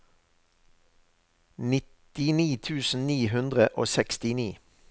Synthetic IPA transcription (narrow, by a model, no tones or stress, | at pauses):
nɪt̪ɪniːt̪ʰʉːsn̩niːɦʉnd̪ʁəʔo̰ːsɛkst̪ɪniː